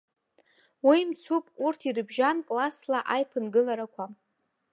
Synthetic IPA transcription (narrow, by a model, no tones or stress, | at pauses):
wimt͡sʰupʼurtʰirɨbʒankʼlaslaʔajpʰɨnɡɨlaɾakʷʰa